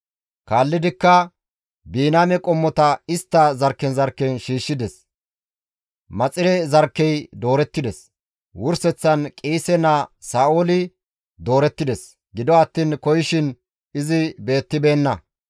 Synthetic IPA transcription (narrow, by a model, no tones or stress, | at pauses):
kaːlːɪd̪ɪkːɐ | biːnaːmɛkʼɔmːɔt̪ɐɪst̪ːɐzɐɾkːɛnzɐɾkːɛnʃiːʃːɪd̪ɛs | mɐt͡sʼɪɾɛzɐɾkːɛjd̪o̞ːɾɛt̪ːɪd̪ɛs | wʊɾsɛt͡sːɐnkʼiːsɛnɐsaːʔoːlɪ | d̪o̞ːɾɛt̪ːɪd̪ɛs | ɡɪd̪ɔɐt̪ːiːnkɔjɪʃɪn | ɪzɪbe̞ːt̪ːɪbe̞ːnːɐ